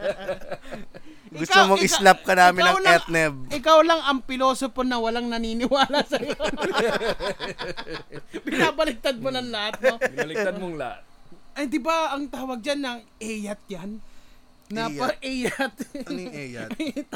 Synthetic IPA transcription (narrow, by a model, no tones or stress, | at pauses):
ɪɡʊst̪omoɪslap̚kɐnaːmɪnɐwlɛt̪̚nɛb̚ʔɪkawlɐŋɐŋpɪlo̞ːsoponɐwɐlaŋnɐniːnɪwaːlɐsɐjo | bɪnaːbɐlɪk̚t̪ad̪̚monɐŋlɐhat̪̚oblɐd̪̚moŋlɐ̰hat̪̚ʔɐjd̪ɪbɐɐŋt̪aːwɐɡ̚d͡ʒanːɐŋʔɛjɐt̪̚janː | ɐpɐʔɛjɐt̪